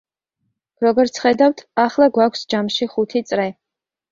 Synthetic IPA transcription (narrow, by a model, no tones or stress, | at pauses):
ɾɔɡɔɾt̪sʰχɛd̪awt̪ʰaχlˠaɡwakʷʰsd͡ʒamʃiχut̪ʰit̪sʼɾɛ